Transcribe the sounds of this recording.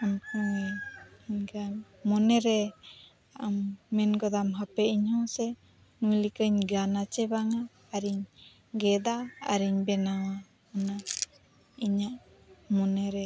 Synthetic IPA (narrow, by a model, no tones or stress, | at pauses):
ɔnkuɛɲɡan | mɔnɛɾɛ | amːɛnɡɔd̪amɦapɛiɲhɔsɛ | nujlikəɲɡanat͡ʃɛbaŋaː | ɾiɲ | ɡɛd̪a̰ːɾiɲbɛnawa | ana | iɲaʔ | mɔnɛɾɛ